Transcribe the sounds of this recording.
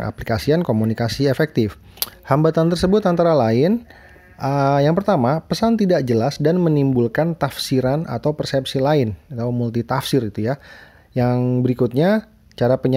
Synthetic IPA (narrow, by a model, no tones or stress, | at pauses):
a̰plikasiankomunikasiefɛk̚t̪ɪf | hambat̪ant̪ərsəbʊt̪ant̪aɾalaɪn | əjaŋpərt̪amapəsant̪idak̚d͡ʒəlasdanmənimbulkant̪afsiɾanʔa̰t̪awpərsɛpsilaɪnat̪awmult̪it̪afsɪɾit̪uja | jaŋbəɾikut̪̚ɲa | t͡ʃaɾapəɲ